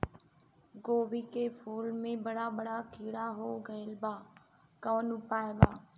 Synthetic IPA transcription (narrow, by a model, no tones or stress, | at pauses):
ɡoːʋiːkeːpʰoːlmẽːbəɽaːbəɽaːkiːɽaːɦoːɡəəlbaː | kəʋənʊpaːebaː